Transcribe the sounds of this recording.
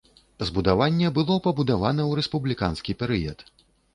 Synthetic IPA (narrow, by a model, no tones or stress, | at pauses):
zbud̪avanʲːɛbɨlˠɔpɐbud̪avanɐwɾɛspublʲikanskʲipʲɛɾɨjɐt̪